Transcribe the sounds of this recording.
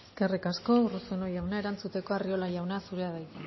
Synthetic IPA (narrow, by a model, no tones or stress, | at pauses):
eskerikasko̞urusonojawnae̞ɾant͡sut̪e̞ko̞ario̞lajawnasuɾeaðajt̪e